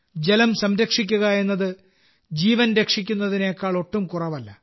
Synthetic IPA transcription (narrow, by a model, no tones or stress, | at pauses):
d͡ʑe̞lɐmsɐmɾɐkʂik̬ʲːuɣɐe̞nːɐðɨ | d͡ʑiːʋɐnɾe̞kʂikʲːun̪ːɐðine̞jkːaːɭo̞ʈːumkurɐʋɐlːɐ